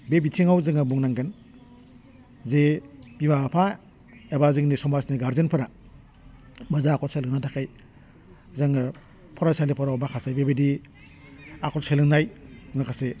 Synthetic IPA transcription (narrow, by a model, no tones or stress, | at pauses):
bebitʰiŋawzɯŋɯbuŋnaŋɡen | zebibapʰa | ebazɯŋnisɔmasniɡaɾzenpʰɯɾa | bazaːkʰɔlselɯŋnatʰakʰaj | zaŋɯ | pʰɔɾajsalipʰɔɾawbakʰasajbebedi | akʰɔlselɯŋnajuŋakʰase